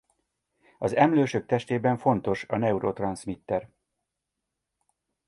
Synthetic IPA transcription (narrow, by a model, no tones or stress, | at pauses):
ɒzɛmløːʃøk̚t̪ɛʃt̪eːbɛɱfo̞n̪t̪o̞ʃɒnɛuɾot̪rɒnsmit̪ːɛɾ